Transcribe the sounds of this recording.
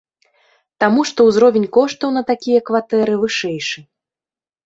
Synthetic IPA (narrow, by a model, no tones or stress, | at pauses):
t̪amuʂt̪ɔwzɾɔvʲenʲkɔʂt̪ɐwnɐt̪akʲijɐkvat̪ɛɾɨvɨʂɛjʂɨ